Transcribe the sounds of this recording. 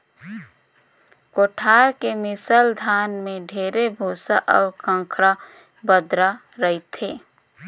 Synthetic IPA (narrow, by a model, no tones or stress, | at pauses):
koːʈʰaːɾkemɪsəld̪ʱaːnmẽɖʱeːɾebʱuːsaʔɔːɾkʰə̃ŋkʰɾa | bəd̪ɾa | ɾəit̪ʰeː